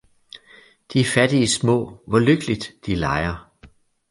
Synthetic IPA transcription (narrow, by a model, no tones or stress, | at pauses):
d̥iæɐfæd̥iismɔ̰̽ːʋɒløɡ̥əlid̥d̥ilɑ̈ɪɐ